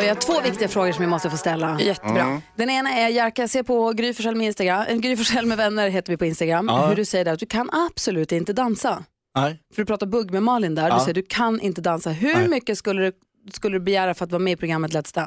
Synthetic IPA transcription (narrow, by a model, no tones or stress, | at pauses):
vɪhaʈtʰvoːvɪk̚t̪ɪɡafɾoːɡəʂɔmjamɔst̪əfoːst̪ɛlːajɛt̪ːəbɾɑ̰d̪ɛneːnaɛjæɾkajaseːɾpʰɔɡɾyːfœʂɛlmɛɪnst̪aɡɾamʔɛ̰nɡɾyːfəʂɛlːmɛvɛnːəɾɦeːt̪əɾvɪpʰɔɪnst̪aɡɾamːɦɵɖɵsɛjːəɖæɾat̪̚d̪ɵkʰanab̥sɔlʉ̟ːt̪ɪnt̪əd̪ansa | fœɖɵpɾɑːt̪aɾbɵɡːmɛmɑːlɪnd̪æːɾdɵsɛjːəɖ̪ɵkʰanʔɪ̰nt̪əd̪ansaɦɵmʏkːəskɵlːəd̪ɵ | skɵlːəd̪ɵbɛjæːɾafœɾat̪vɑːɾmɛːɪpɾʊɡɾamːət̪lɛt̪st̪a